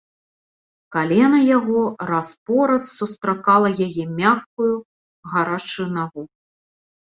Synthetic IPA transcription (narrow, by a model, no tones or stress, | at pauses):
kalʲɛnɐjaɣɔɾaspɔɾɐsːust̪ɾakalˠɐjajɛmʲaxkuju | ɣaɾat͡ʂujunaɣu